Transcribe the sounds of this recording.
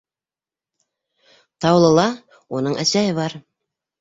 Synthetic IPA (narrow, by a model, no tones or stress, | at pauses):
t̪ɑwlˠɤ̆lˠɑ | unɤɴʔæsæjɘβɑɾ